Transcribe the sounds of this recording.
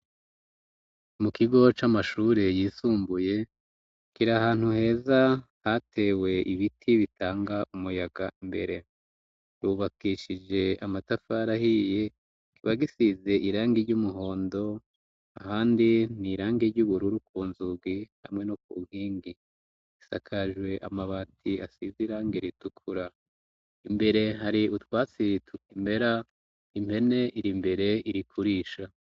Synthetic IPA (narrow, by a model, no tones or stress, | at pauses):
mukiɡo̞t͡ʃamaʃuːɾe̞jiːsuːmbuje̞ | kiɾaɦaːn̥huhe̞ːza | hatʰe̞we̞ʔiβitʰiβitaːŋɡaʔumujaɡaʔimbe̞̰ɾe̞ | ɾuːβakiʃid͡ʒe̞amatafaɾahije̞ | kiβaɡisize̞ʔiɾaːŋɡiɾɟumuɦo̞ːndo̞ | ahaːndiniɾaːŋɡiɾɟuβuɾuɾukuːnzuɡiha̰mŋe̞nokuɡiːŋɡi̥ | isa̰kʰaʒwe̞ʔa̰maβaːtʰiasiziɾaːŋɡiɾitukʰuɾa | imbe̞ɾe̞ɦaɾiutwaːt͡sitʰukimbe̞ɾa | impʰe̞ne̞ʔiɾimbe̞ɾe̞iɾikʰuɾiʃa